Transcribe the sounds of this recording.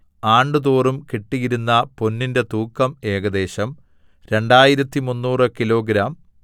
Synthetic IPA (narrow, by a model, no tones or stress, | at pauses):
aːɳɖɨðoːrumkiʈːiɣiɾunːɐpo̞nːinde̞t̪uːkːɐme̞ːɡɐd̪e̞ːɕɐm | ɾe̞ɳɖaːjiɾɐt̪ːimunːuːrɨkilo̞ːɡɾaːm